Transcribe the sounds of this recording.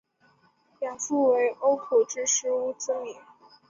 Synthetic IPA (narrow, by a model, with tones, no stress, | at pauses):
jɑ˨˩fu˥˩we˧˥ɪʔo˥ʊkʰu˨˩ʈ͡ʂɻ̩˥ʂɻ̩˧˥u˥˩t͡sə˥li˨˩˦ŋ